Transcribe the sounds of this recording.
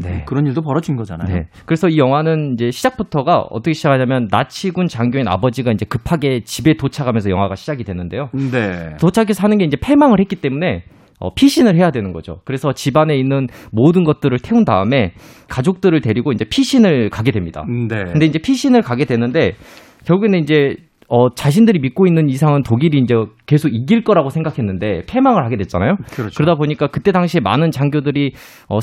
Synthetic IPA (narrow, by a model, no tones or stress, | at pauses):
ne̞̰kɯɾʌniɭdopʌɾʌd͡ʑinɡʌd͡ʑa̰nane̞̰kɯɾesʰʌijʌŋwanɯnind͡ʑe̞ɕʰid͡ʑak̚pʰutʰʌɡa̰ʌ̰t͈ʌkʰe̞ɕʰid͡ʑakʰaɲamjʌnːa̰t͡ɕʰiɡunt͡ɕaŋɡjoina̰bʌd͡ʑiɡaind͡ʑe̞kɯpʰaɡe̞t͡ɕibe̞tot͡ɕʰaɡamjʌnsʰjʌŋɦwaɡaɕʰid͡ʑaɡidwenɯnde̞jonetot͡ɕʰakʰesʰʌɦanɯnɡe̞ind͡ʑe̞pʰe̞maŋɯɭhet̚k͈it͈e̞mune̞ | ʌ̰pʰiɕʰinɯɭɦe̞jadwe̞nɯnɡʌ̰d͡ʑo̰kɯɾe̞sʰʌt͡ɕibane̞inːɯnmodɯnɡʌt̚t͈ɯɾɯɭtʰe̞undaɯme̞ | kad͡ʑok̚t͈ɯɾɯɭtwe̞ɾiɡoind͡ʑe̞pʰiɕʰinɯɭkaɡe̞dwe̞mɲid̥a̰ndkɯnde̞ind͡ʑe̞pʰiɕʰinɯɭkaɡe̞dwenːɯnde̞ | kjʌɭɡuɡeneind͡ʑe̞ | ʌt͡ɕaɕʰindɯɾimit̚k͈oinːɯnisʰaŋɯntoɡiɾiːnd͡ʑe̞ke̞sʰoɡik͈iɭk͈ʌɾaɡosʰeŋɡakʰe̞nːɯnde̞pʰe̞maŋɯɭhaɡe̞dwet̚t͡ɕ͈ana̰jokɯɾʌdaboɲik͈akɯt͈e̞daŋɕʰiema̰nɯnt͡ɕaŋɡjodɯɾi | ʌ̰